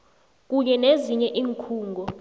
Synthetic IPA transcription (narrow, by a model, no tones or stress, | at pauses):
k̬ʼuɲɛneziɲɛʔiːŋkʰuːŋɡʱɔ